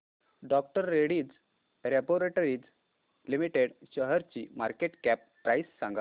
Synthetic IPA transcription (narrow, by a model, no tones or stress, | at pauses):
ɖɔk̚ʈəɾːeɽiːd͡z | ɾɛboɾeʈoɾiːd͡z | limiʈeɽɕəɦəɾt͡ɕḭmaɾkeʈkæpːɾajsːãŋɡa